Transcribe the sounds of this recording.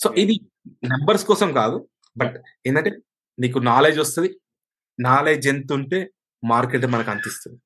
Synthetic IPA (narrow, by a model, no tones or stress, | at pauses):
soːʔid̪i | nɐmbɐɾskɔːsɐmkaːd̪u | bɐʈ | eːnd̪ɐɳʈe̞ː | niːkunaːle̞ːd͡ʒʋɐst̪und̪i | naːleːd͡ʒent̪uɳʈe̞ː | maːɾkeʈmɐnɐkɐnt̪ist̪und̪i